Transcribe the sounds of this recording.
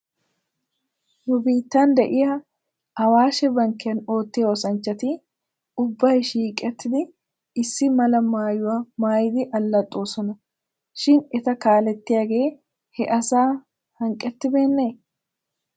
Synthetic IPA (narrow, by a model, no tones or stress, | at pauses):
nʊbiːt̪ːaːnd̪ɛʔɪjɐ | ɐwaːʃɛbɐŋkːɪjɐno̞ːt̪ːeːwɔsɐnt͡ʃːɐt̪i | ʊbːɐjʃiːkʼɛt̪ːɪd̪ɪ | ɪsːɪmɐlɐmaːjʊwɐmaːjd̪ɪʔɐlːɐt̪ʼːoːsɔnɐ | ʃɪnɛt̪ɐkaːlɛt̪ːɪjɐɡe̞ː | hɛʔɐsaː | hɐŋkʼːɛt̪ːɪbe̞ːnːe